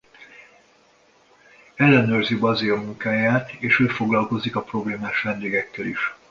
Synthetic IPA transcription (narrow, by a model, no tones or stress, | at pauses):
ɛlːɛnøːrzibɒzilɒmuŋkaːjaːt̪eːʃøːfo̞ɡlɒlko̞zikɒpro̞bleːmaːʃʋɛnd̪eːɡɛkːɛlḭʃ